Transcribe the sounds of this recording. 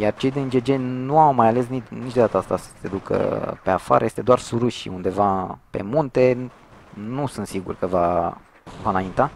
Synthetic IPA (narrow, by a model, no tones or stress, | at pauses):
jart͡ʃe̞jd̪end͡ʒed͡ʒenuawmajale̞s̬ninit͡ʃd̪o̞d̪at̪əast̪asə̥se̞d̪ukə̰pe̞afa̰ɾʔəje̞st̪e̞d̪oarsuɾuʃḭund̪e̞vape̞̰munt̪e̞ | nusɨnt̪siɡṵrkəva | vanaint̪a